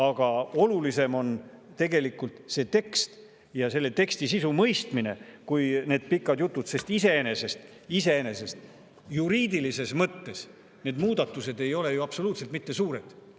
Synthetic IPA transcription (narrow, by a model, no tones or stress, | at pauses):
ɑɡ̥ɑo̞lulise̞mo̞n | t̪e̞ɡe̞likːˑult̪se̞ːt̪e̞kst̪ | jɑse̞lːe̞t̪e̞kst̪isisumɤ̞jst̪mine̞̰kujne̞ːd̪̚pikːˑɑd̪jut̪ˑːud̪̥se̞st̪ise̞ene̞se̞st̪ | ise̞ene̞se̞st̪ | juɾiːd̪ilise̞smɤt̪ːe̞s | ne̞ːd̪muːd̪̥ɑt̪ːˑuse̞d̪e̞jo̞le̞juɑpso̞luːt̪selt̪mit̪ːe̞suːɾe̞d̪̥